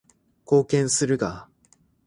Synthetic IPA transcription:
ko̞ːkẽ̞ɰ̃sɨɾɯ̟ɡa

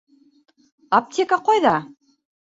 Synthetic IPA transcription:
ap̚t̪ʲekɑqojðɑ

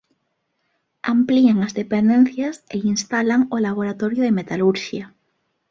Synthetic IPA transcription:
ampliaŋazðepend̪ẽn̟θjaseinst̪alaŋolaβ̞oɾat̪oɾjoðemet̪aluɾʃja

